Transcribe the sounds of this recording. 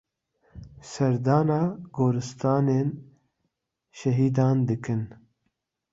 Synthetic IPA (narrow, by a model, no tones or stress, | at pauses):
sɛɾd̪ɑːnɑːɡoːɾɨst̪ɑːneːn | ʃɛɦiːd̪ɑːnd̪ɨkʰɨn